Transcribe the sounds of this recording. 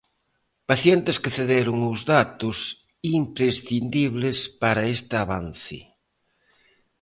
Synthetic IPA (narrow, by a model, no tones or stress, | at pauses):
paθjent̪ɪskeθeðeɾʊŋʊzðat̪ʊs | impɾesθind̪iβlespaɾɐest̪ɪaβan̟θɪ̰